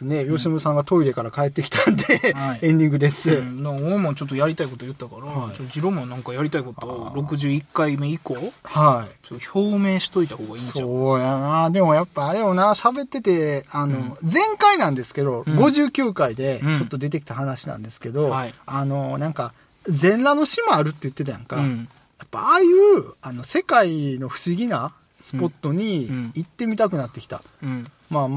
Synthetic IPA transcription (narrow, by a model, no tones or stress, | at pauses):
ne̞jo̞ɕimɯsãɰ̃ɡat̪o̞iɾe̞kaɾakae̞t̪ːe̞kʲi̥t̪ãnd̪eiẽ̞ɲd̪ʲĩŋɡɯ̟d̪e̞sɨd̪aomãt͡ɕot̪ːojaɾʲit̪aiko̞t̪o̞jɯ̟t̪ːakaɾaait͡ɕot̪ːod͡ʑiɾomãnãŋkajaɾʲit̪aiko̞t̪oɾo̞kɯ̟ʑɨːikːaimeiko̞hait͡ɕoːoçoːmẽ̞ːɕi̥t̪o̞it̪aho̞ːɡainasoːjanad̪e̞mo̞japːaːɾejo̞naɕabe̞t̪ːe̞t̪e̞ano̞d͡zẽ̞ŋkainãnd̪e̞sɨ̥ke̞d̪o̞ɡo̞ʑɨːkʲɨːkaid̪e̞t͡ɕo̞t̪ːo̞d̪e̞t̪e̞kʲi̥t̪ahanaɕinã̰nd̪esɨ̥ke̞d̪o̞ano̞nãŋka | zẽ̞nɾano̞ɕimaaɾɯ̟t̪ːe̞jɯ̟t̪ːe̞t̪ajã̰ŋka | japːa̰aːjɯ̟ːano̞se̞kaino̞ɸɯ̟̥ɕiɡʲina | sɨ̥po̞t̪ːo̞ɲ̟iːt̪ːe̞mʲit̪akɯ̟nat̪ːe̞kʲi̥t̪a̰ | mam